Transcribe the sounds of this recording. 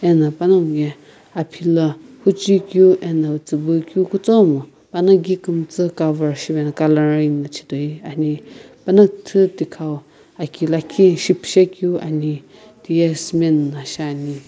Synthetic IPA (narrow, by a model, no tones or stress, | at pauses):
ɛnãpanamɡɛ | apʰilahut͡ʃikjuʔɛnãɨt͡sɨbɨkjukut͡somɨ | panaɡikɨmt͡sɨkavəɾʃiβɛnakalaɾinat͡ʃʰi̥t̪oianĩpanat̪ʰɨt̪ikʰaw | akilakʰiʃipʰʃɛkjua̰ni | t̪iɛsmɛnːãʃani